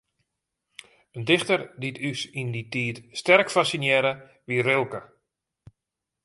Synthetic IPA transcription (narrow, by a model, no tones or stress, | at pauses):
əndɪxtərditʰysinditiːtstɛrkfasinjɛɾə | ʋirɪlˠkə